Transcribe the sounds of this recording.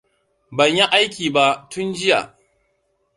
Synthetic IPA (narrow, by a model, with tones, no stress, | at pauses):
bɐ˨ɲji˦ʔa˦jk̬ʲiː˨ba˦ʔtʊ˦nd͡ʒɪ˦ja̰˨ʔ